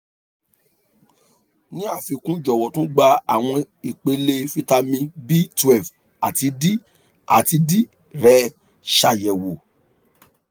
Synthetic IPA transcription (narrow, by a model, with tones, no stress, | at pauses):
nĩ˦a˦˨fi˧kũ˦d͡ʒɔ˨wɔ˨tũ˦ɡ͡ba˧a˨w̃ɔ̃˧ | i˨k͡pe˧le˧fi˦ta˧mĩ˧bi˦tɛ˦˨v | a˨ti˧di˦ | a˨ti˧di˦ | ɾɛ˦ | ʃa˧˨jɛ˨wo˨